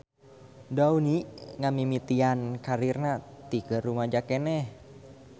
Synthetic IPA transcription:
dauniŋamimit̪iankaɾirnat̪ikəɾumad͡ʒakɛnɛh

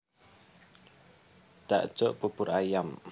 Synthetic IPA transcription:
d̪̥a̰ʔd̥ʒ̥ɔʔpupʊrajam

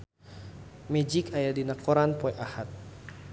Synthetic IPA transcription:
mɛd͡ʒikajadinakɔɾanpɔɛʔahat̪̚

